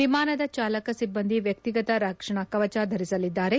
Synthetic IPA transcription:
ʋimaːnɐd̪ɐt͡ʃaːlɐkɐsibːɐnd̪ʱiʋjɐk̚t̪iɡɐt̪ɐɾɐkʂɐɳɐkɐʋɐt͡ʃaːd̪ʱɐɾisɐlid̪ːaːɾe

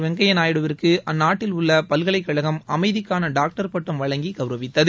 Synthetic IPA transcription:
ʋɛŋɡɐjɐnaːjɪɽɯʋɪrkɯʔɐnːaːʈːɪlʊɭːɐpɐlɣɐɭɐɪkːɐɭɐɣɐmɐmɐɪðɪkːaːnɐɖaːk̚ʈɐɾpɐʈːɐmʋɐɻɐŋɡiɡɐʋɾɐʋɪt̪ːɐð

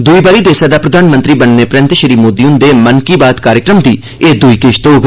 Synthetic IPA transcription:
d̪uiːbaːɾiːd̪eːsaːd̪aːpɾəd̪ʱaːnmənt̪ɾiːbənːeːpɾɛ̃nt̪ʃəɾiːmoːd̪iːʊnd̪eːmənkiːbaːt̪kaːɾjəkɾəmd̪iː | eːd̪uiːkeːʃt̪oːɡ

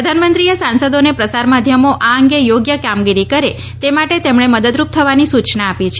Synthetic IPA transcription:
ɾəd̪ʱanmənt̪ɾijəsansəd̪onepɾəsaɾmad̪ʱjəmoʔaəŋɡejoɡjəkamɡiɾikəɾe | t̪emaʈet̪emɳ̃eməd̪əd̪ɾup̚t̪ʰəʋanisut͡ʃnaapit͡ʃʰ

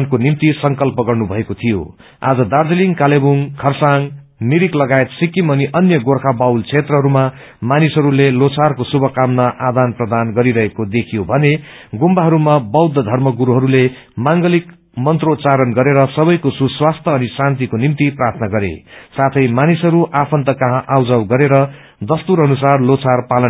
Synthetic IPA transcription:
nkonimt̪isʌŋkʌlpʌɡʌrnubʱʌekot̪ʰijo̰ | a̰d͡zʌd̪ard͡zʌliŋkalebuŋkʰʌrsaŋ | niɾiklʌɡaet̪sikimʌniʔʌnjʌɡorkʰabawlt͡sʰet̪rʌɦʌɾuma | manisɦʌɾulelot͡sʰarkosubʱʌkamnaʔad̪anprʌd̪anɡʌɾiɾʌɦekod̪ekʰijobʱʌne | ɡumbaɦʌɾumabʌwd̪ʱːʌd̪ʱʌrmʌɡuɾuɦʌɾule | maŋɡʌlik | mʌnt̪rot͡saɾʌnɡʌɾeɾʌsʌbʌjkosuswast̪ʰʌːnisant̪̬ikonimt̪iprart̪ʰnʌɡʌɾḛsat̪ʰʌjmanisɦʌɾuʔapʰʌnt̪ʌkʌɦãʔawd͡zawɡʌɾeɾʌ | d̪ʌst̪uɾʌnusarlot͡sʰarpalʌn

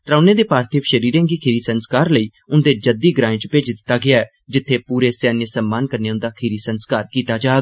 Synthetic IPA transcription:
t̪ɾãːnẽːd̪eːpaːɾt̪ʰeːfʃəɾiːɾẽːŋɡiːkʰɪɾiːsənskaːɾləiː | ʊnd̪eːd͡ʒəld̪iːɡɾãːẽːt͡ʃəpeːd͡ʒd̪ɪt̪ːaːɡɪaːɛː | d͡ʒɪt̪ʰːeːpuːɾeːsaːnjəsəmːaːnkəɾneːʊnd̪aːkʰɪɾiːsənskaːɾkiːt̪aːd͡ʒaː

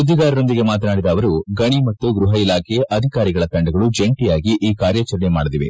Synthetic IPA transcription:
ud̪ːiɡaːɾɐno̞nd̪iɡe̞maːt̪ɐnaːɽid̪ɐːʋɐɾuɡɐɳimɐt̪ːuɡɾuɦɐilaːkʰejɐd̪ʱikaːɾiɡɐɭɐt̪ɐɳɖɐɡɐɭud͡ʒe̞ɳʈijaːɡiʔiːkaːɾjɐt͡ʃɐɾɐnemaːɽɐd̪iʋe

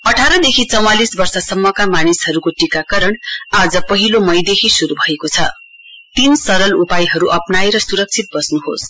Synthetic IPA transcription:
ʌʈʰaɾʌd̪ekʰit͡sʌw̃alisbʌrsʌsʌmːʌkamanishʌɾukoʈikakʌɾʌɳad͡zʌpʌɦilomʌjd̪ekʰisuɾubʱʌekot͡sʰʌ | t̪insʌɾʌlupajɦʌɾuʔʌpnajɾʌsuɾʌk̚t͡sʰit̪̚bʌsnuɦo̰s

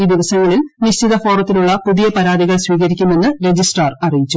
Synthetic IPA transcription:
iːd̪iʋɐsɐŋːɐɭilniɕt͡ɕid̪ɐfo̞ːrɐt̪ːiluɭːɐpuðijɐpɐɾaːd̪iɣɐɭsʋiːɣɐɾikʲːumːe̞nːɨɾe̞d͡ʑisʈrɐrɐrijit͡ɕːu

